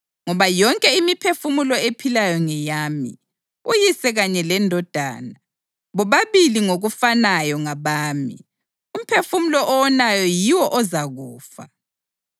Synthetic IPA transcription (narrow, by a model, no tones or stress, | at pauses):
ŋɔβajɔŋkʼɛimipʰefumulɔepʰilajɔŋɛjaːmḭ | ujisɛɣaɲɛlɛndʱɔd̥ʱa̰ːna | βɔβaβiliŋoɣufanajɔŋaβaːmḭ | um̩pʰefumulɔʔɔwɔnajɔjiwɔʔɔzaɣuːfa̰